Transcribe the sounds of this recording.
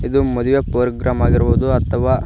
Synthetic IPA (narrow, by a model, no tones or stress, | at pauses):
id̪umɐd̪uʋepoːɾɡɾaːmaːɡiɾubuud̪uɐt̪ʰːɐʋaː